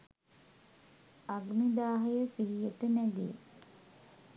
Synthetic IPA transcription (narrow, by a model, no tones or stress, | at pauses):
aɡnid̪aːɦəjəsiɦijet̪ənæɡ̪ḛj